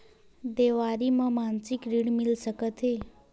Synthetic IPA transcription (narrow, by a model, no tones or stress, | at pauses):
d̪eʋaɾimə̃mansikɾiɽmilsəkət̪ɦe